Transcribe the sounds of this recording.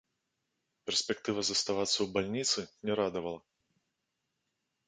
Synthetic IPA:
pʲɛrsʲpʲɛkt̪ɨvɐzɐst̪avat̪sːɐwbalʲnʲit̪sɨnʲɛɾad̪ɐvɐlˠɐ

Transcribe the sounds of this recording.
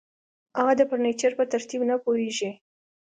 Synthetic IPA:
aɣad̪əpaɾnet͡ʃaɾpət̪aɾt̪ibnapoheʒi

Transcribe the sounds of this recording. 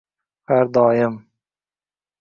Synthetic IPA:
haɾd̪ɒːjɪm

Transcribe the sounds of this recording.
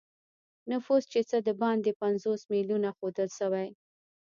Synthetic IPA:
nʊfuzt͡ʃet͡səd̪əbɑnd̪epanzosmilunaxod̪əlʃawaj

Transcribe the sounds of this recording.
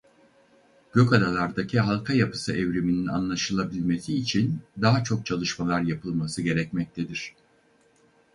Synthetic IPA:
ɟ̥ø̞kad̪alˠaɾd̪acʰiɦalˠkʰajapɯ̥sɯʔɛvɾeminina̰nlˠaʃɯlˠabilʲme̞siːt͡ʃʰind̪aɦat͡ʃʰo̞k̚t͡ʃʰalˠɯʃmalˠaɾjapʰɯlˠmasɯɟe̞ɾɛcmɛc̚t̪ʰed̪iɾ̥

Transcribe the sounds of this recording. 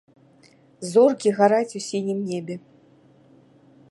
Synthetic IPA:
zɔrkʲiɣaɾat͡sʲusʲinʲimnʲebʲɛ

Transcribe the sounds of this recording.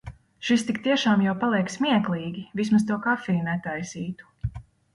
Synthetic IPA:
ʃist̪ikt̪iɛʃaːmjawpalˠiɛksmiɛklˠiːɡʲivis̬mas̬t̪uɔkafiːnɛt̪ajsiːt̪u̥

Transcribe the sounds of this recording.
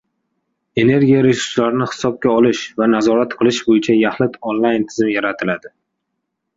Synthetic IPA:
e̞ne̞ɾɡʲijaɾe̞suɾslaɾɪnɪhɪ̥sɒb̚kʲaɒlɪʃvanazɒɾat̪qʰɨlˠɪʃbojɪt͡ʃʰajahlɪt̪ʰonlˠajnt̪ʰɪzɪmjaɾat̪ʰɪlad̪ɪ

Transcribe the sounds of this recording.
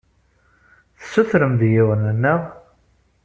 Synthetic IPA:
θsuθɾəmðjiwənənːəʁ

